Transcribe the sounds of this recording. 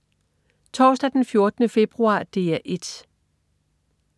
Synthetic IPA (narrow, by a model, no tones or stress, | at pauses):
t͡sʰɒ̰ːsd̥æd̥enfjo̝ɐd̥ənəfe̝b̥ʁuɑ̰̈ːd̥e̝̰ːæʔe̝d̥